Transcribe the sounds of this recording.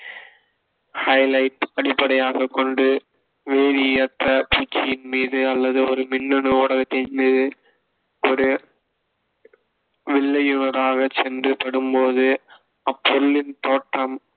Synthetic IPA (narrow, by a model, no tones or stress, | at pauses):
hɐɪlɐɪʈɐɽɪpːɐɽɐjaːɣɐkːɔɳɖɯ | ʋeːðɪjɐt̪ːɐpuːt͡ʃːɪjɪnmiːðɯɐlːɐðɯɔɾɯmɪnːɯnɯoːɽɐɣɐt̪ːɪnmiːðɯ | ɔɾɯ | ʋɪɭːɐjʊnɐɾaːɣɐt͡ʃɛndrɯpɐɽɯmpoːðɯ | ɐpːɔɾlɪnt̪oːʈːɐm